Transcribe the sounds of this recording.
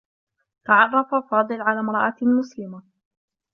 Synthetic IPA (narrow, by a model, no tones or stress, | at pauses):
t̪aʕɑrˤːɑfafɑːd̪ˤɨlʕalaːmɾˤɑʔatmʊslɪma